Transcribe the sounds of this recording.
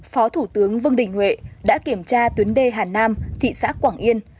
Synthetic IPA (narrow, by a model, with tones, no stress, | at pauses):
fɔ˨˦t̪ʰu˧˩t̪ɨ˨˦əŋvɨ˧əŋɗï˨˩ŋ̟hwḛ˧˨ɗa̰ː˧˥ki˧˩əmt͡ɕaː˧t̪wi˨˦nɗe˧˩ɦaː˨˩naː˧mt̪ʰḭ˧˨sa̰ː˦˥kːwaː˧˩ŋʔi˧ən